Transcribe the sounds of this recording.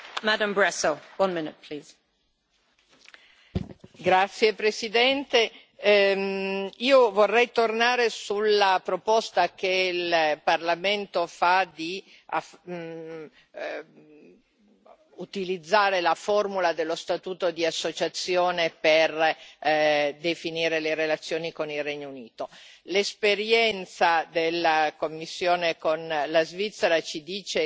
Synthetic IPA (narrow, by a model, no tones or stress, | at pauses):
madə̃mbɹɛsəwʌ̃nmɪnɪt̚pʰl̥iːz̥ | ɡɾat̪sːjepɾesid̪ɛnt̪e | iːovorːɛjt̪ornaːɾesulːapɾopɔst̪ak̟elparlament̪ofad̪i | af | ut̪ilid̪zːaːɾelaformulad̪elːost̪at̪uːt̪od̪iasːot͡ʃat̪sːjoːneper | d̪efiniːɾeleɾelat̪sːjoːnikonilrɛɲːouniːt̪olespeɾjɛnt̪sad̪elːakomːisːjoːnekonlazvit̪sːeɾat͡ʃid̪iːt͡ʃe